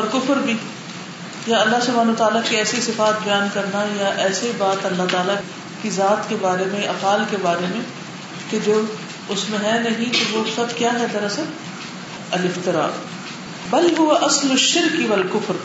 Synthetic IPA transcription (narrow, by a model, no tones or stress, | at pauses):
ɐɾkʊfɾbʱi | jaɐlːaɦsʊbʱaːnːt̪aːlakiɛːseisɪfaːt̪̚bɐjaːnkɐɾnajaʔɛːseibaːt̪ɐlːaɦt̪aːla | kizaːt̪kebaːɾemẽʔɐfaːlkebaːɾemẽ | ked͡ʒoː | ʊsmẽɦɛnɐɦĩt̪oʋosɐkjaːɦɛt̪ɐɾase | ɐlɪft̪ɪɾa̰ː | bɐlɦʊʋaʔɐslʊʃːɪɾkʋɐlkʊfɾ